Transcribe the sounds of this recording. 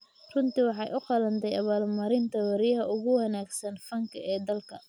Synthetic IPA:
rʊnt̪iwɑħɑjʔʊqɑlɐnt̪ʰɛjɐβaːlmɐɾɪnt̪ʰɐwɐɾjɐɦɐʊɣʊwɐnaːɡsɐnfɐŋkʰɐɛːd̪ɐlkʰɐ

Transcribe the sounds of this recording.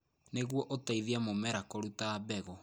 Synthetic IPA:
neɣwɔʔotaiðiamomɛɾakɔɾutaːbɛɣɔ

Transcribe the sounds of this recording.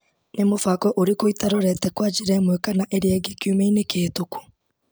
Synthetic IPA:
nemofakɔʔoɾekoitaɾoɾɛtɛkwad͡ʒiɾamwɛkanaʔeɾeɛɡekjumeinekeːtoku̥

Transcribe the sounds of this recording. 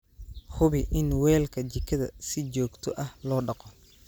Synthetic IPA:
hʊβɪʔɪnwɛːlkʰɐt͡ʃɪkʰɐðɐ̰sɪt͡ʃɔːɡt̪ʰɔʔɐhlɔːɖɑqɔ

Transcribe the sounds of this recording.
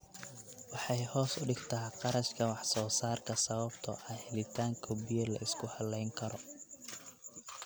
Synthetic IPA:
wɑħɑjhɔːsʊɖɪɡt̪ʰɐɦɛqɑɾɐʃkʰɐwɑħsɔːsaːrkʰɐsɐβɐbt̪ʰɔʔɐhɛlɪt̪ʰaːŋkʰɔbijɐlɐ̰ʔɪskʰʊhɐlɛjŋkʰɐɾɔ

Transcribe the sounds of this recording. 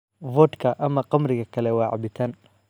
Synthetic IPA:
vɔːt̪kʰɐʔɐmɐqɑmrɪɣɐkʰɐlɛwɑːʕɑ̰bɪt̪ʰan

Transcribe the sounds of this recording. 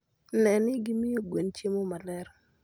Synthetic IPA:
nɛnɪɡimɪjoɡwent͡ʃemomalɛɾ

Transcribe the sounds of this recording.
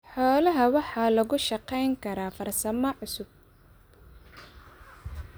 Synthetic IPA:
ħɔːlɐɦɐwɑħɑːlɐɣʊʃɑqɛjŋkʰɐɾaːfɐrsɐmɔʕʊsʊb̚

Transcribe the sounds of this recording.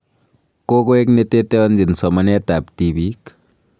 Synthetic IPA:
koɡoeknet̪et̪eʌnd͡ʒinsʌmʌnet̪apt̪ibik

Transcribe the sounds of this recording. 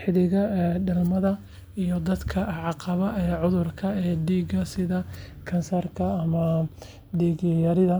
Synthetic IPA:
ħɪðɪɣɐɛɖɐlmɐðɐ | ijɔd̪ɐd̪kʰɐʕɑqɑβɐɛːʕʊðʊrkʰɐɛːɖiːɡɐsɪðɐ | kʰɐnsɐrkʰɐːmɐ | ɖiːɡjɐɾɪðɐ

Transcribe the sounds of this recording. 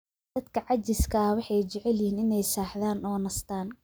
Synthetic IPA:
d̪̥ɐd̪kʰɐʕɑt͡ʃɪskʰɐwɑħɑjt͡ʃɛʕɛljhiːnɪnɛjsaːħðaːnɔːnɐst̪ʰaːn

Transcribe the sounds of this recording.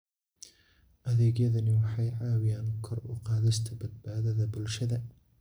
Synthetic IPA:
ʔɐðɛːɣjɐðɐnɪwɑħɑjʕɑːwɪjaːnʊkʰɔrʊ̰ːqɑːðɪst̪ʰɐbɐd̪̚baːðɐðɐbʊlʃɐðɐ

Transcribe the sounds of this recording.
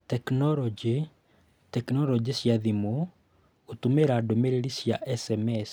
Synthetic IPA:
tɛknɔɾɔd͡ʒi | tɛknɔlɔd͡ʒisjaðimo | ot̪umeɾadomeɾeɾisjaʔɛsɛmɛs

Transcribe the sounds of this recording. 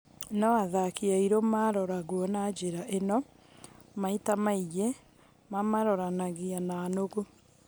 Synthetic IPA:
nɔaðakiaiɾomaɾɔɾaɣwɔnad͡ʑeɾaʔenɔ | maitamaijɛ | mamaɾɔɾanaɣianaːnoɣo

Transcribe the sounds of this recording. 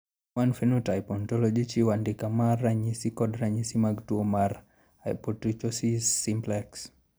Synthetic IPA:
wanfenutajpɔntɔlɔd͡ʒit͡ʃiwandɪkamaraɲisikɔdɾaɲisimaɡtuomar | ajpɔtɾit͡ʃɔsisːimplɛks

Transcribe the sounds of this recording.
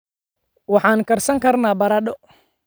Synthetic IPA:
wɑħɑːnkʰɐrsɐŋkʰɐrnaːbɐɾɐɖɔ

